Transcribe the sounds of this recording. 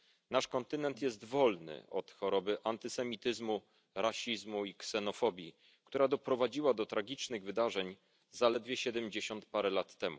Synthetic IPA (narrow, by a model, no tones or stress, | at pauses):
naʂkɔnt̪ɘnɛnt̪jɛst̪vɔlnɘ̰ʔɔ̰t̪xɔɾɔbɘʔant̪ɘsɛmʲit̪ɘzmu | ɾaɕizmuiksɛnɔfɔbʲji | kt̪uɾad̪ɔpɾɔvad͡ʑiwad̪ɔt̪ɾaɡʲit͡ʂnɘɣvɘd̪aʐɛɲ | zalɛd̪vʲjɛɕɛd̪ɛmd͡ʑeɕɔnt̪paɾɛlat̪ːɛmu